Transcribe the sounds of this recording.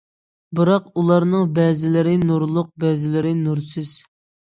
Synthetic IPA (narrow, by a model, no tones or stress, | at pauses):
bɨɾɑqulˠɑɾnɨŋbɛzɪlɪɾɪnuɾlˠʊq̚bɛzɪlɪɾɪnuɾsɪz̥